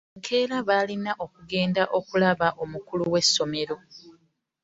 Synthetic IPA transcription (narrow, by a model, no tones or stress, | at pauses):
ŋkʰe̞ːɾaβaːlinaʔo̞kuɡe̞ːndaʔo̞kulaβaʔo̞mukuluwe̞sːo̞me̞ɾo̞